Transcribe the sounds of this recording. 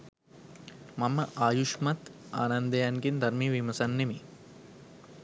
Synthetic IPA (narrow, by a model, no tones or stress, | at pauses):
mɐməʔaːjuʂmɐt̪aːnɐnd̪ɐjanɡind̪ɐrmiʋimɐsɐnːemi